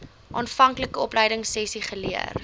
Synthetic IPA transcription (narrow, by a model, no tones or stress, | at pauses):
ʔɑːnfɐŋkləkəɔpləjdəŋsɛsiχəliə̰r